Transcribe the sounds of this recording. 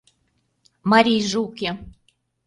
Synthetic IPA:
mɑɾʲijʒukʲe

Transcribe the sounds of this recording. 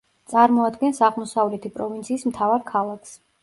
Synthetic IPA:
t̪sʼaɾmɔad̪ɡɛnsaʁmɔsavlɛt̪ʰipʼɾɔvint̪sʰiːsmt̪ʰavaɾkʰalˠakʰs

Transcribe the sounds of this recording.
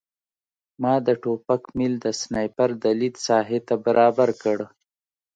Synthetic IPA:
mɑːd̪əʈopakmild̪əsnɑjpaɾd̪əlid̪sɑɦet̪abaɾʔɑbaɾkəɽ

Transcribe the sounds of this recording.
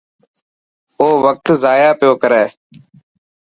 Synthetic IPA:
oːʋək̚t̪zaːjaːpɪjoːkəɾɛː

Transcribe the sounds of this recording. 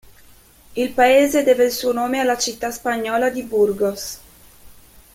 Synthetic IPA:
ilpaeːzed̪eːvelsuonoːmealat͡ʃit̪ːaspaɲɔːlad̪iburɡos

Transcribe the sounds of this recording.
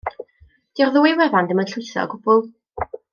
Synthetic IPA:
d̥irðuːɨwɛvandəmənɬʊjθɔ̰ɡʊb̥ʊlˠ

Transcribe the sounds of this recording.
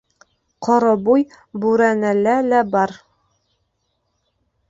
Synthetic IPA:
qʰɒɾɑbuj | buɾænælælæbɑɾ

